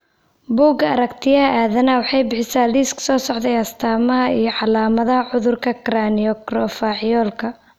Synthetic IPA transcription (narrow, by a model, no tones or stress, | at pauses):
buːɡɐɐɾɐkt̪ʰɪjɐɐʔaːðɐnɐwɑħɑjbɪħɪsaːliːskʰsɔːsɔʕd̪ɛjɐst̪ʰaːmɐɦɐijɞʕɑlaːmɐðɐɦɐʕʊðʊrkʰɐkraːniɔkrɔfaːʕɪjɔːlkʰɐ